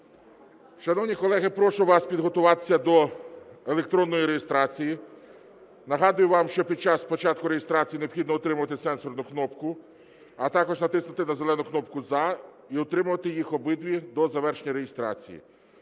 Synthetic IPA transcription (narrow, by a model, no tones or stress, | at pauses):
ʃɐnɔʋnʲikɔlˠɛɦɪpɾɔʃʊʋɑspʲid̪ɦɔt̪ʊʋɑt̪ɪ̥sʲɐd̪ɔelek̚t̪ɾɔnːɔjiɾejest̪ɾɑt͡sʲiji | nɐɦɑd̪ʊjʊʋɑmʃt͡ʃɔpʲid̪̚t͡ʃɑspɔt͡ʃɑt̪̚kʊɾejest̪ɾɑt͡sʲijineɔpxʲid̪nɔɔt̪ɾɪmʊʋɐt̪ɪsɛnsɔrnʊknɔpkʊ | ɐt̪ɑkɔʒnɐt̪ɪsnʊt̪ɪnɐzelˠɛnʊknɔpkʊzɑ | iɔt̪ɾɪmʊʋɐt̪ɪjixɔbɪd̪ʋʲid̪ɔzɐʋɛrʃenʲɐɾejɪst̪ɾɑ̰t͡sʲḭjḭ